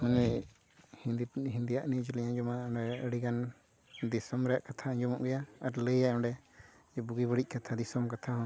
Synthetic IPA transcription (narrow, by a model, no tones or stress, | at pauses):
hunɛ | hid̪ɦind̪ijaʔnid͡ʒilijãɲd͡ʒɔmaɔɖɛəɽiɡan | d̪isɔmɾɛjaʔkat̪ʰaɛɲd͡ʒɔmɔ̰ʔɡɛjaaɾləjaɔ̃ɳɖɛ | d͡ʒbuɡibəɽic̚ˀkat̪ʰad̪isɔmkat̪ʰahɔ̃